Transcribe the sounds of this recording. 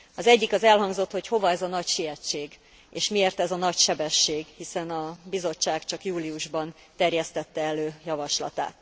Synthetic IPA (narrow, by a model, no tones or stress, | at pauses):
ɒzɛɟːikɒzɛlɦɒŋɡzo̞t̪ho̞cho̞vɒɛzɒnɒcʃiɛt͡ʃːeːɡ | eːʃmieːrt̪ɛzɒnɒcʃɛbɛʃːeːɡhisɛnɒbizo̞t͡ʃːaːɡt͡ʃɒkjuːliuʒbɒn | t̪ɛrjɛst̪ɛt̪ːɛɛløːjɒvɒʃlɒ̰t̪a̰ːt̪